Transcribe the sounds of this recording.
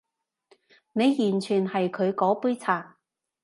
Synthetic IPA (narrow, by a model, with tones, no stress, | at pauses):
ne˨˧jːyː˨˩nt͡ʃʰyː˨˩nhɐ˨jkʰɵ˨˧ɥkɔː˨˥puː˥jt͡sʰaː˨˩